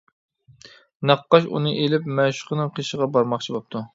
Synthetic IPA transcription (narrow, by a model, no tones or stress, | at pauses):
nɑqːɑʃṵnɨʔelɪpmɛʃʊ̥qənɨŋqʰeʃəʁɑbɑɾmɑχt͡ʃʰibɑp̚t̪ʰu